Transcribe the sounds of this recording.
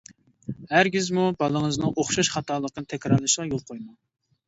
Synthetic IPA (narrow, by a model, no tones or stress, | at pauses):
hæɾɡʲizmubɑlˠəŋəznɨŋʔoχʃɑʃχɑt̪ʰɑːlˠəqʰənɨt̪ʰɛkʲɾɑɾlˠɨʃlˠɑjolˠqʰojmɑ